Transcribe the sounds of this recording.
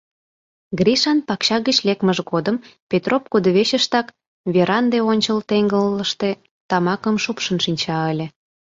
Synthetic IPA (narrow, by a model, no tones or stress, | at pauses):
ɡriʃɑnpɑkɕɑɣət͡ɕlekməʒɣod̪əmpʲet̪rop̚kud̪oβeɕəʃt̪ɑk | βeɾɑnd̪eonʲt͡ɕəlt̪eŋɡəlːəʃt̪e̽ | t̪ɑmɑkəmʃupʃənʃinʲt͡ɕɑəlʲĕ